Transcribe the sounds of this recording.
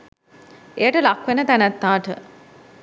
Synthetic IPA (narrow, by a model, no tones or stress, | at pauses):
ejəʈəlakʋenət̪ænæt̪ːaːʈə̰